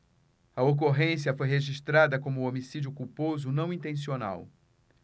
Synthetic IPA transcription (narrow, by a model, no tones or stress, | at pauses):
ɐok̬oɦẽsiɐfojɦeʒiʃt̪ɾad̪ɐkõmʊomisid͡ʒʊkupozʊnɐ̃w̃ĩnt̪ẽsiona̰w